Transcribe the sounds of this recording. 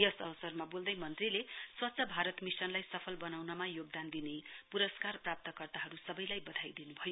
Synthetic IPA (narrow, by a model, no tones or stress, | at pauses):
jʌsʌwsʌrmabold̪ʌjmʌnt̪rileswʌtːsʰʌbʱaɾʌt̪misʌnlajsʌpʰʌlbʌnawnʌmajoɡ̚d̪and̪inepuɾʌskarprap̚t̪ʌkʌrt̪aɦʌɾusʌbʌjlajbʌd̪ʱajd̪inubʱʌjo